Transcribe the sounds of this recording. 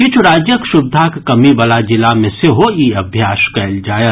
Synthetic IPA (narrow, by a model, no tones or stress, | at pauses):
kɪt͡ʃʰuɾaːd͡ʒjəkʃʊbd̪ʱakkɐmiʋalad͡ʒɪlamẽseɦoiːɐbʱjaːʃkɛːld͡ʒaːjə